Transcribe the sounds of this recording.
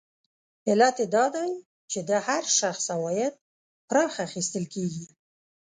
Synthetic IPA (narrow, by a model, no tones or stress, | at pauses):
ɪlat̪ed̪ɑd̪aj | t͡ʃed̪əhaɾʃaxsawɑjad̪̚ | pɾɑxaːxist̪əlkeɡi